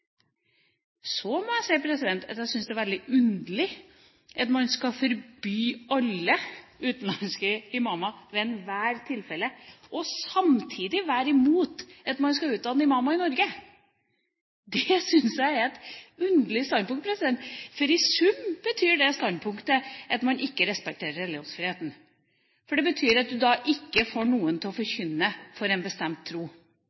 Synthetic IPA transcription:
sɔmɔæɪsɛɪpʰɾɛsɪd̪ɛnt̪ʰɑt̪jæsʏnsd̪ɛæɾʋɛld̪ɪʔʉnd̪əlɪ | ʔɑt̪mɑnskɑfɔɾbyːɑlːəʉːt̪n̩lɑnskəɪmɑmɑʋɛɛnʋæːɾt̪ʰɪlfɛlːəʔɔsɑmt̪ʰiːd̪ɪʋæːɾɪmuːt̪ɑt̪mɑnskɑʉːt̪̚d̪ɑːnːəɪmɑmɑɪnɔɾɡə | d̪ɛsʏnsjæɪɛt̪ʉnd̪əlɪst̪ɑnd̪pʊŋt̪pɾɛsɪd̪ɛnt̪fɔɾɪsʉmb̥ət̪ʰyːɖɛst̪ɑnd̪pʰʊŋkt̪əʔɑt̪mɑnɪkːəɾɛspɛk̚t̪ʰeːɾəɾɛlɪjuːnsfɾɪheːt̪n̩ | fɔɖɛbət̪ʰyːɾɑt̪̚d̪ʉd̪ɑʔɪkːəfoːɳuːənt̪ʰɪlɔfɔɾçʏnːəfɔɾɛnbəst̪ɛmt̪ʰːɾuː

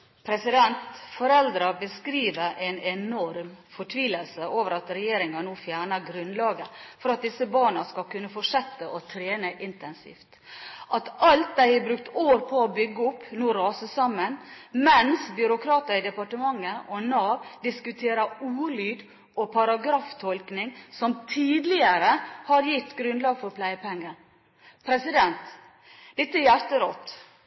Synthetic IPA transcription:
pʰɾɛsɪd̪ɛnt̪fɔɾɛld̪ɾɑbəskɾiːʋəɾʔɛnɛnɔɾmfɔʈʰʋiːləlsəʔoːʋəɾɑt̪ɾɛjeːɾɪŋɑnuːfjæːɳɑɡɾʉnlɑːɡəfɔɾɑt̪̚d̪ɪsəbɑːɳɑskɑkʉnːəfɔʂɛt̪ːəʔɔt̪ʰɾeːnəʔɪnt̪ɛnsḭːft̪ | ʔɑt̪ɑlt̪̚d̪æɪhæbɾʉk̚t̪oːɾpʰɔɔbʏɡːəʊpːnuːɾɑːsəsɑmːənmɛnsbʏɾʊkʰɾɑːt̪əɾɪd̪ɛpɑʈəmɑŋːəɔnɑːʋd̪ɪskʉt̪ʰeːɾɑuːlyːd̪ | ɔpʰɑɾɑɡɾɑːft̪ʰɔlknɪŋsɔmt̪ʰiːd̪lɪəɾəhɑɾjɪt̪ːɡɾʉnd̪lɑːɡfɔɾpʰlæɪəpʰɛŋːən | pʰɾɛsɪd̪ɛnt̪ | d̪ɛt̪ːəjæɾt̪əɾɔt̪ː

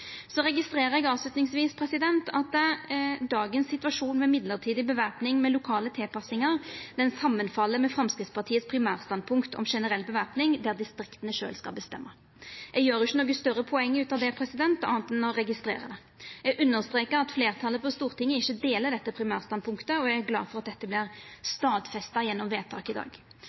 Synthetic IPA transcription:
sɔɾɛɡɪst̪ɾeːɾəɾɛɡɑːʋslʉt̪nɪŋsʋiːspʰɾɛsɪd̪ɛnt̪ɑt̪ | d̪ɑːɡənsːɪt̪ʉʋɑʂuːnmɛmɪd̪ləʁt̪ʰiːd̪ɪbəʋæʁpnɪŋmɛlʊkʰɑːlət̪ʰɪlpɑsɪŋəʁd̪ɛnsɑmːənfɑlːəmɛfɾʁɑmskʁɪtspɑʁt̪iːət̪spʰɾɪmæːʁst̪ɑnd̪pʰʊŋkt̪ʰɔ̰mʂɛnəʁɛlːbəʋæʁpnɪŋd̪æʁd̪ɪst̪ɾɪkt̪ənəʃø̰ːlskɑ̰lbəst̪ɛ̰mːə | jɛɡjøːɾjʊçːənɔːɡəst̪œɾəpʰɔɛŋːʉːt̪ɑːʋd̪ɛpʰɾɛsɪd̪ɛnt̪ɑ̰ːnt̪ɛnɔɾɛɡɪst̪ɾḛːʁə̰d̪ɛ | jɛɡʔʉnːəʁst̪ɾeːkəɾɑt̪fleːʁt̪ʰɑlːəpʰɔst̪uːʁt̪ʰɪŋːəɪçːəd̪eːləd̪ɛt̪ːəpʰɾɪmæːʁst̪ɑn̚pʰʊŋkt̪əɔɛɡæɾɡlɑ̰ːfɔɾɑt̪̚d̪ɛt̪ːəblɪʁst̪ɑːd̪fɛst̪ɑjɛnːɔmʋeːt̪ʰɑ̰ːkɪd̪ɑ̰ːɡ

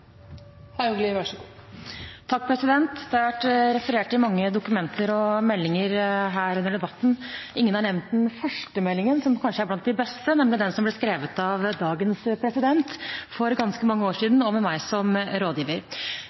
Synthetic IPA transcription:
hæʉŋɡlɪʋɑʂɡ | t̪ʰɑk̚ːpʰɾɛsɪd̪ɛnt̪d̪ɛhɑɾʋæʈːɾɛfəɾeːʈɪmɑŋːəd̪ʊkʉmɛnt̪əɾɔmɛlːɪŋəɾɦæːɾʉnːəɖɛbɑt̪ːn̩ʔɪŋːənhɑɳɛʋnt̪̚d̪ɛnfœʂʈəmɛlːɪŋənsɔmkʰɑnʂəæɾblɑnt̪̚ːd̪ɪbɛst̪ənɛmlɪd̪ɛnsɔmblɪskɾeːʋət̪ɑʋd̪ɑːɡənspʰɾɛsɪd̪ɛnt̪fɔɾɡɑnskəmɑŋːəoːʂiːd̪n̩ɔmɛmæɪsɔmɾoːd̪jiːʋəɾ

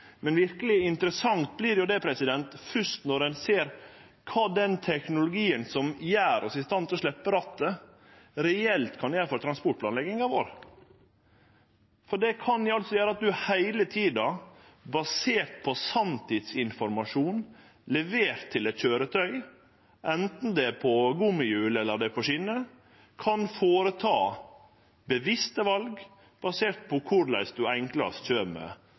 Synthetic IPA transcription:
mɛnʋɪɾkəlɪɪnt̪əɾəsɑŋt̪̚blɪɾjʊd̪ɛpʰɾɛsɪd̪ɛnt̪fʉʂt̪nɔɾɛnseːɾ | kʰɑːd̪ɛnt̪ʰɛknʊlʊɡiːənsɔmjæːɾʔɔsɪst̪ɑnt̪ɔʂɭɛpːəɾɑt̪ːə | ɾɛɛlt̪kʰɑnɪjæːɾfɔɾt̪ɾɑnspɔʈ̚pʰlɑːnlɛɡɪŋɑʋoːɾ | fɔɖɛkʰɑnɪɑlt̪sɔjøːɾəɑt̪̚d̪ʉhæɪlət̪ʰiːd̪ɑ | bɑseːɾt̪̚pʰɔsɑmt̪ʰɪd̪sɪnfɔɾmɑʂuːn | lɛʋeːɾt̪ʰːɪlɛt̪çøːɾət̪ʰœʏ | ʔɛnt̪n̩d̪ɛpʰɔɡʊmɪjʉːlɛlːəɖ̪ɛpʰɔʂɪnə | kʰɑnfoːɾət̪ʰɑː | bəʋɪst̪əʋɑlɡ | b̥ɑseːɾʈ̪̚pʰɔkʰʊɾlæɪsd̪ʉɛŋklɑ̰sc͡çøːmø̰ː

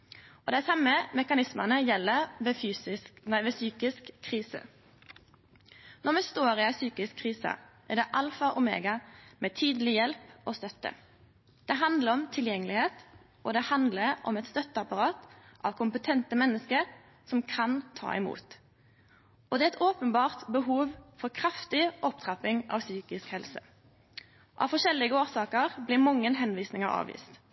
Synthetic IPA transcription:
ɔd̪æsɑmːəmɛkɑnɪsmənəjɛlːəʋɛfyːɪnæʋɛsyːkɪskʰːɾiːsə̰ | nɔmɛst̪oːɾɪæsyːkɪskʰːʁiːsɑ̰ʔæd̪ɛʔɑlfɑʔɔmḛːɡɑmɛt̪ʰiːd̪əlɪjɛlpɔst̪œt̪ːə̰ | d̪̥ɛɦɑnd̪ləɾɔmt̪ʰɪljɛŋːəlɪheːt̪ | ʔɔd̪ɛhɑnd̪ləɾɔ̰mɛt̪st̪œt̪ːəɑpɑɾɑːt̪ʔɑ̰ʋkʰʊmpət̪ʰɛnt̪əmɛnːəskəɾ | sɔmkʰɑnt̪ʰɑ̰ːɪmṵːt̪ | ʔɔd̪ɛːɛt̪oːpənbɑːʁt̪bəɦuːʋfɔʁkʰɾɑft̪ɪʔɔp̚t̪ʰʁɑpɪŋʔɑ̰ʋsyːkɪskhɛlsə | ʔɑ̰ʋfɔʃɛlːɪɡəoːsɑːkəʁblɪmɑŋːənɦɛnʋiːsnɪŋəɾɑ̰ːʋḭːst̪

